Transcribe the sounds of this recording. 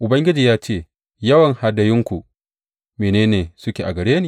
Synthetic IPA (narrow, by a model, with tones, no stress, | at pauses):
ʔʊ˨bɐ˦ŋɡʲɪ˦d͡ʒiː˨jaː˦t͡ʃeː˦˨ | jɐ˦wɐ˨ŋha˨dɐ˨jɪ˦ŋkʷu˨ | meː˨neː˦neː˨sʊ˦kʲeː˨ʔa̰˨ɡɐ˨ɽeː˦niː˦